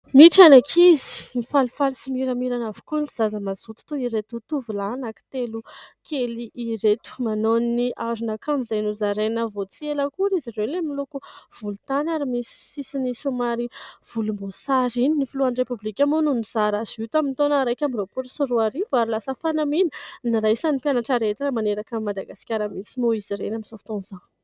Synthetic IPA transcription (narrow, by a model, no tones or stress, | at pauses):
miʈ͡ʂanakʰizi̥mifalufalisimiɾəmiɾanavi̥kunz̥azəmazut̪u̥t̪uiɾet̪ut̪uvilanaki̥t̪elukʰeliʔiɾet̪u̥manonːiaɾunakʰamizajnuzaɾenəvot͡sieləkuɾizirelemilukuv̥ulut̪anaɾimisi̥sisinisumaɾiv̥ulumbosaɾininifuluanɖ͡ʐepublikʲamonuniz̥aɾazit̪amint̪onaɾajkʲamiɾopuɾsiruaɾivaɾilasəfanamininiɾaisanipjanaʈ͡ʂaɾet̪iɾamaneɾakamimad̪aɡasi̥kʲaɾəmisimoiziɾenaminz̥afi̥t̪onzan